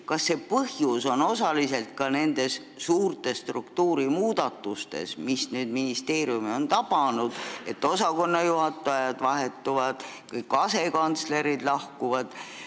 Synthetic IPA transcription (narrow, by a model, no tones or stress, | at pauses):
kɑsːe̞pɤhjuso̞no̞sɑlis̬e̞lt̪̚kɑne̞nd̪̥e̞s | suːrt̪e̞st̪rukt̪uːɾimuːd̪̥ɑt̪ˑːust̪e̞̰smisnyːd̪̥minist̪e̞ːɾjumio̞nt̪ɑpɑnud̪̥e̞t̪ːˑo̞sɑko̞nːɑjuɦɑt̪ːˑɑjɑd̪̥vɑɦe̞t̪ːuvɑd̪̥ | kɤjkːɑse̞kɑnt̪sle̞ɾid̪̥lɑhkuvɑd̪̥